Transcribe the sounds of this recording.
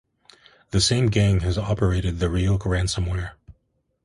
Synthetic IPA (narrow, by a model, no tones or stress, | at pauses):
ðɨsẽɪ̃mɡẽɪ̃ŋɨzɑpə˞eɪɾɨd̪̚ðɨɹioʊkɹæ̃nsə̃mwɛɹ